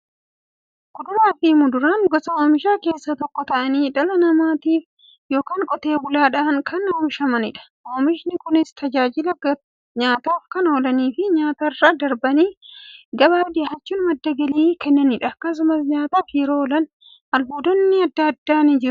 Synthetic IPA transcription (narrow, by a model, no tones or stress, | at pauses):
kʊd̪ʊɾaːfimʊd̪ʊɾaːnɡɔsɐoːmɪʃaːke̞ːsːɐt̪ɔkːɔt̪ɐʔɐniːᶑɐlɐnɐmaːt̪iːf | jo̞ːkaːŋkʼɔt̪e̞ːbʊlaːᶑɐɐnkʰɐnʊːʃɐmɐnɪᶑɐ̥ʔoːmɪʃnɪkʊnɪst̪ɐd͡ʒaːd͡ʒɪlɐɡɐ | ɲaːt̪aːfkɐnolɐniːfɪɲaːt̪ɐrːad̪ɐɾbɐniːɡɐbaːd̪ɪhɐt͡ʃːʊnmɐd̪ːɐɡɐliːkɛnːɐnɪᶑɐkːɐs̬ʊmɐsɲaːt̪aːfjɛɾoːlɐn | ɐlbuːd̪ɔnːɪɐd̪ːɐːd̪ːaːnɪd͡ʒɪɾʊ